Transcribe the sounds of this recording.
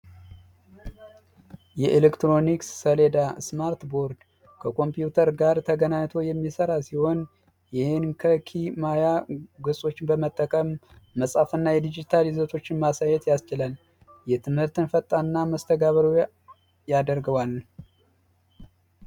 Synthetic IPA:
jɛʔelekt̪ɾo̞niksːəle̞d̪asmaɾt̪bo̞ɾd̪ | kʰəkʰo̞mpjut̪ʰəɾɡaɾt̪ʰəɡənaɲt̪ʰo̞jɛmːisəɾasiho̞n | jɪhɪnkʰəkʰimajaɡɨsʼo̞t͡ʃːɪnbəmət̪ʼːəkʼəmːəsʼafɨnːajɛd̪id͡ʒit̪ʰalizot̪ʰo̞t͡ʃːɪnmasajɛt̪jast͡ʃɪlal | jɛt̪ʰɨmhɨɾt̪ɨnfət̪ʼːanːaməst̪ʰəɡaβəɾu | jad̪əɾɡɨβwal

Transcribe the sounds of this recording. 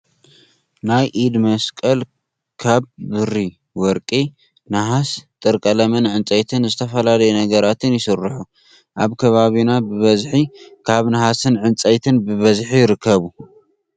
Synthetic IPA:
najʔid̪mɐskʼɐl | kʰaβbɨɾi | wɔɾkʼi | naɦast̪ʼɨɾkʼɐlɐmɐnʕɨnt͡sʼɐjt̪ʰɨnzɨt̪ʰɐfɐlalɐjunɐɡɐɾat̪ʰɨnjɪsɨrːɨħu | ʔaβkʰɐβaβinabɨβɐzħikʰaβnahasɨnʕɨnt͡sʼɐjt̪ʰɨnbɨβɐzħijɪɾɨkʰːɐβu

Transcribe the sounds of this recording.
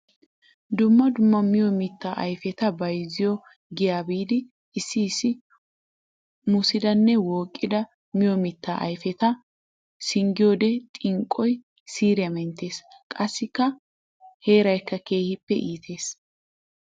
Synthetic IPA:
d̪ʊmːɐd̪ʊmːɐmɪjɔmɪt̪ːaːʔɐ̰jfɛt̪ɐbɐjzɪjɔ | ɡɪjaːbiːd̪ɪ | ɪsːɪːsːɪ | mʊsɪd̪ɐnːɛwoːkʼːɪd̪ɐ | mɪjɔmɪt̪ːa̰ʔɐ̰jfɛt̪ɐ | sɪŋɡɪjoːd̪ɛt̪ʼɪŋkʼːɔj | siːɾɪjɐmɛnt̪ːe̞ːskʼɐsːɪkːɐ | he̞ːɾɐjkːɐke̞ːhɪpːɛ̰ʔiːt̪ʰe̞ːs

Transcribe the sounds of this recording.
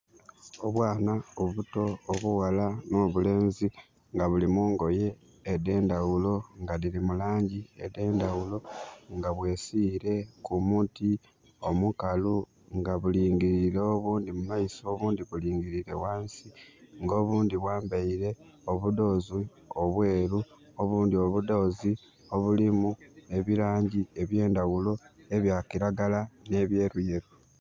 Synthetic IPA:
o̞βwaːnaoβuto̞ːβuwalano̞ːβule̞ːnzi | ŋɡaβulimuːŋɡo̞je̞ː | de̞ːndawulo̞ŋɡalilimulaːɲɟiḛde̞ːndawuloŋɡaβwe̞ːsiɾe̞kumuti | o̞mukalu | ŋɡaβuliːŋɡiɾiɾeoβuːndimumaiso̞βuːndiβuliːŋɡiɾiɾe̞waːnsiŋɡo̞ːβuːndiβwaːmbaiɾe̞ | o̞βudo̞ːzi | oβwe̞ːɾu | oβuːndio̞βudo̞ːzi | o̞βulimue̞βiɾaːɲɟie̞βje̞ːndawulo̞e̞βjaːkiɾaɡalane̞βje̞ːɾuje̞ɾu

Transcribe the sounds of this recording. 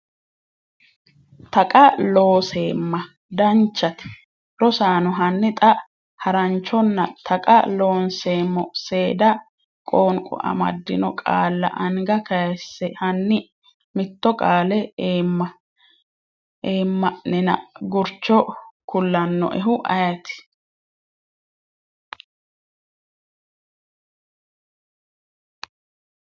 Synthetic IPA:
t̪ɐkʼɐlo̞ːse̞ːmːɐ | d̪ɐnt͡ʃːɐt̪ɪ̥ | ɾɔsaːnʊɦɐnːɪt̪ʼɐ | hɐɾɐnt͡ʃːɔnːɐt̪ʰɐkʼɐ̰lo̞ːnse̞ːmːɔse̞ːd̪ɐ | kʼoːŋkʼɔ̰ʔɐ̰mɐ̰d̪ːɪnɔkʼa̰ːlːɐ̰ʔɐŋɡɐkɐsːɛhɐnːɪ | mɪt̪ːɔkʼaːlɛeːmːɐ | eːmːɐʔnɪnɐ̰ɡʊɾt͡ʃːɔkʊlːɐnːɔ̰ʔɛɦʊʔɐ̰jɐt̪ɪ̥

